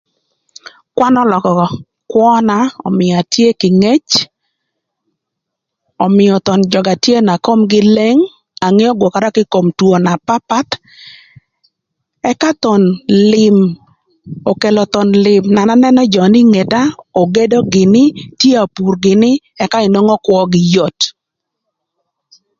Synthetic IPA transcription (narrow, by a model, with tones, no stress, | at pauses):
kwa˦nɔ˦lɔ˨kɔ˨ | kwɔ˦na˦ɔ̰˨mɪ˨a˨tje˦kɪ˨ŋe˦t͡ʃ | ɔ˨mɪ˨jɔ˨t̪ɔ˨nd͡ʒɔ˨ɡa˨tje˦na˨ko˦mɡɪ˦le˦ŋ | a˨ŋe˦ɔ˦ɡwo˨ka˨ɾa˦kɪ˦ko˨mtwo˨na˨pa˦pa˦t | ɛ˦ka˦t̪ɔ˨nlɪm | o˨ke˨lɔ˨t̪ɔ˨nlɪ˨mna˨na˦nɛ˦nɛ˦d͡ʒɔ˨nɪ˦ŋe˨da˦o˨ɡe˦do˦ɡɪ˨nɪ˦tje˦a˨pu˨rɡɪ˨nɪ˦ | ɛ˦ka˦ɪ˨no˦ŋɔ˦kwɔ˦ɡɪ˦jo˨t